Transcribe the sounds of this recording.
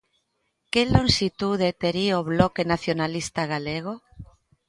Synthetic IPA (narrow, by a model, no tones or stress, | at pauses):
kelo̞nʃit̪uðet̪eɾioβlokenaθjonalist̪aɣaleɣ̞o